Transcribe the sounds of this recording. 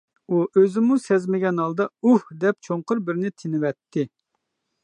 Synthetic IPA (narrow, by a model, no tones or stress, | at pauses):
uʔøzɪmusɛzmɪɡʲɛnɑlˠd̪ɑuhd̪ɛp̚t͡ʃʰoɴqʊɾbɪɾnɪt̪ʰɪnɪwɛt̪ʰːɪ